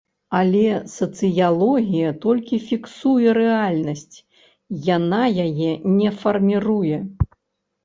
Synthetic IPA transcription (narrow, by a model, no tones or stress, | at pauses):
ɐlʲɛsɐt̪sɨjalˠɔɣʲijɐt̪ɔlʲkʲifʲiksujɛɾɛalʲnɐsʲt͡sʲ | janajajɛnʲɛfɐrmʲiɾujɛ